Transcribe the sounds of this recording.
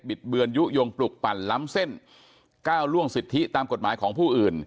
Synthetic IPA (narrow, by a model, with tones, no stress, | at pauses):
bi˨˩t̪̚bɯ˧ənju˦˥jo˧ŋplu˨˩k̚pa˨˩nla˦˥mse˥˩n | kaː˥˩wlu˥˩əŋsi˨˩t̪ʰːi˦˥t̪aː˧mko˨˩t̪̚maː˩˦jkʰɔː˩˦ŋpʰuː˥˩ʔɯː˨˩n